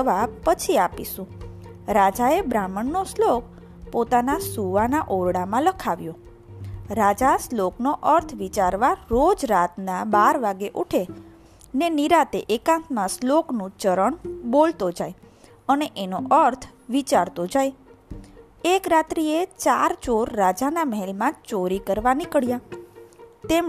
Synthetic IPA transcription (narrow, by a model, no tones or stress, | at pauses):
əʋapət͡ʃʰiapiʃũ | ɾad͡ʒaebɾaməɳːoslok̚ | pot̪anasuʋanaʔoɾɽamãləkʰaʋjõ | ɾad͡ʒasloknoʔəɾt̪ʰʋit͡ʃaɾʋaɾod͡ʒɾat̪nabaɾʋaɡeʔuʈʰe | neniɾat̪eʔekãnt̪mãsloknũt͡ʃəɾəɳbolt̪od͡ʒaj | əneʔenoʔəɾt̪ʰʋit͡ʃaɾt̪od͡ʒaj | ekɾat̪ɾiet͡ʃaɾt͡ʃoɾːad͡ʒanaməɦɛlmãt͡ʃoɾikəɾʋanikəɭja | t̪em